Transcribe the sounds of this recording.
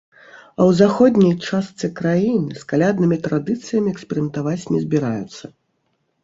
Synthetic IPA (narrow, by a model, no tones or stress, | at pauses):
ɐwzaxɔd̪ʲnʲɐjt͡ʂast̪sɨkɾajinɨskalʲad̪nɨmʲit̪ɾad̪ɨt̪sɨjɐmʲiɛksʲpʲɛɾɨmʲɛnt̪avat͡sʲnʲɛzʲbʲiɾajut̪sːɐ